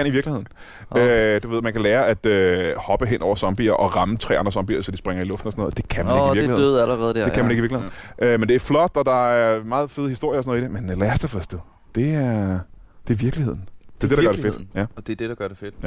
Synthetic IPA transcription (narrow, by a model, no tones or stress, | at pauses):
æniʋiɐɡ̥lihe̝ð̰ˠn̩ | ød̥uʋe̝ð̞̰ˠmænkʰæleːɐʔæd̥øhɒ̽b̥əɦenʔɒ̰ʊ̰ɐsɒ̽mb̥ḭːɐʔɒ̽ʁɑ̈mət͡sʰʁɛ̰ːɑ̈nd̥ɐsɒ̽mb̥ḭːɐsɒ̽d̥isb̥ʁaŋɐilɔ̽fd̥n̩ɒsɔnɔːð̩ˠd̥e̝kʰæmæneɡiiɐ̥iheð̰ð̩ˠæləʁɛːð̩ˠdekʰæmæne̝ɡiiɐɡlheʔømend̥e̝æɐflɒ̽d̥ɒ̽d̥ɑ̈æɐmɑ̈ːð̞̩ˠfe̝ð̞ˠhisd̥o̝ɐ̰jɐsnɔ̽ð̩ˠid̥e̝menlæɐsd̥æfœsd̥e | d̥e̝æɐɐd̥e̝ɐʋiɐɡ̥lihe̝ð̰ˠn̩d̥eɐd̥e̝dɑɶɐɾefe̝d̥jæd̥ed̥ed̥ɑɡ̥ɶɐɾefed̥j